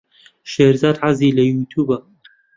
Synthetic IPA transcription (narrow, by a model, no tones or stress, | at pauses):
ʃeɾzaːd̪ʕaziːlɐjut̪ʰuːbɐ